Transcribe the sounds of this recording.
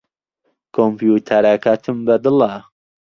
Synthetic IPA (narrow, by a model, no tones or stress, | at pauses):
kʰompjut̪ʰaɾakat̪ʰɨmbɐd̪ɨla